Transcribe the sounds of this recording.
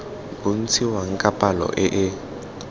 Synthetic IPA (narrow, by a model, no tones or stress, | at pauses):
bun̩t͡sʰiwaŋ̩kʼapʼalɔ̰ʔɪʔɪ